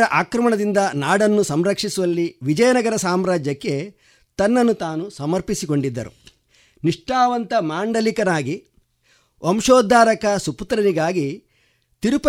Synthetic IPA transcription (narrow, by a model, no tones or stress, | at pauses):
ɾɐʔaːkɾɐmɐɳɐd̪ind̪ɐnaːɽɐnːusɐmɾɐkʂisuʋɐlːiʋid͡ʒɐjɐnɐɡɐɾɐsaːmɾaːd͡ʒjɐkːe̞ | t̪ɐnːɐnːut̪aːnusɐmɐɾpisiko̞ɳɖid̪ːɐɾṵ | niʂʈaːʋɐnt̪ɐmaːɳɖɐlikɐnaːɡi | ʔɐmʃoːd̪ʱːaːɾɐkɐsuput̪ɾɐniɡaːɡi | t̪iɾup